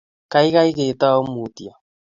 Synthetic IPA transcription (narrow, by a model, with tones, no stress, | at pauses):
ka˨˦i˦ka˦i˦ke˨ta˦ɔ˦mu˨ti˨a˨